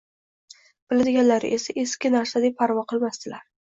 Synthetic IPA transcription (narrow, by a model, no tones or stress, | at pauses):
b̥ɪlad̪ɪɡʲanlaɾɪʔe̞saʔeskʲɪnaɾsad̪ep̚pʰːaɾvɒqʰɨlˠmast̪ɪlaɾ